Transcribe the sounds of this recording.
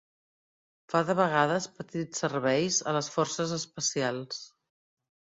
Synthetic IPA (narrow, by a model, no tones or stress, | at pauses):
faðəβəɣaðəspət̪it͡ssːərβɛjzə̰ləsfɔɾsəzəspəsialˠs